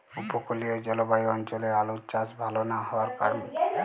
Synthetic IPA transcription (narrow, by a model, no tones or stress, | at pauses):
upokolijɔd͡ʒɔlɔbajiɔnt͡ʃɔlealutt͡ʃasbʱalɔnahɔwaɾkaɹɔne